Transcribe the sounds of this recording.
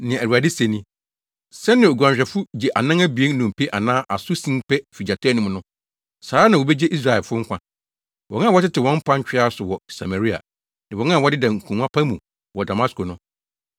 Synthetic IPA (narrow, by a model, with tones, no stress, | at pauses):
nɪ̃˨æ˨a˨de˦sẽ˨nĩ˦ | sɛ˦nɪ̃˨o˨ɡʷu˨ã˨ɕᶣɛ˨fʊ˦d͡ʑe˨ʔa˨nã˦ŋæ˦bi˨e˦n˦nũ˨m˨pʰe˦ʔa˨nãː˦ʔa˨sʊ˦sĩ˦ŋpʰɛ˦fi˨d͡ʑa˨tʰa˦nũ˨mʊ̃˨nʊ̃˦ | saː˨˦a˦nã˨wo˨bɛ˦d͡ʑe˦ʔi˦s̬ɾa˨ɛ˨fʊ˦ŋ̩˦kʷã˦ | wɔ˨ŋ˦ã˦˨wɔ˦tɪ˦tɪ˨wɔ̃˦m̩˦pʰã˦ɲ˦t͡ɕᶣɪ˦a˦sʊ˨wɔ˨sa̰˨ma˨ɾi˦a̰˨ | nɪ̃˨ɔ̃˨˦ã˦˨wɔ˦dɪ˦dã˨ŋ̩˨kʰũ˨ŋã˦pʰã˦mũ˨ | wɔ˨da˨mã˦sko˨nʊ̃˦